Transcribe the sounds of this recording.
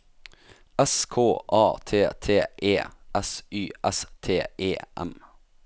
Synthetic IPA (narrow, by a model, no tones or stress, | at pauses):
ɛskʰoːʔɑːt̪ʰeːt̪ʰeːʔeːʔɛsyːʔɛst̪ʰeːeːʔɛ̰m